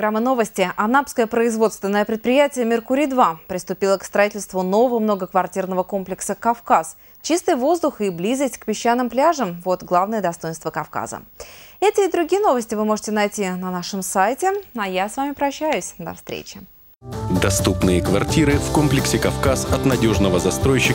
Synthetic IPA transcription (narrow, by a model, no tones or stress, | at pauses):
ɡɾamːəno̞vəsʲtʲɪʔɐnapskəjəpɾəɪzvo̞t̪st̪vʲɪnːəjəpɾʲɪt̪̚pɾʲɪjætʲɪjəmʲɪrkʊɾʲid̪vapɾʲɪst̪ʊpʲilˠəkst̪ɾɐitʲɪlʲst̪vʊno̞vəvəmnoɡəkvɐrtʲirnəvəko̞mplʲɪksəkɐfkas | t͡ɕist̪ɨjvo̞zd̪ʊxɪblʲizəsʲtʲkpʲɪɕːanːɨmplʲaʐəmvo̞t̪ɡlˠavnəjəd̪ɐst̪o̞jɪnst̪vəkɐfka̰zə̰ɛtʲɪːd̪ɾʊɡʲijəno̞vəsʲtʲɪvɨmo̞ʐɨtʲɪnɐjtʲinɐnaʂɨmsajtʲɪajasvamʲɪpɾɐɕːæjʊsʲd̪ɐ̰fst̪ɾʲḛt͡ɕɪ | d̪ɐst̪upnɨjəkvɐrtʲiɾɨfkomplʲɪksʲɪkɐfkasɐt̪nɐdʲo̞ʐnəvəzɐst̪ɾo̞jɕːɪ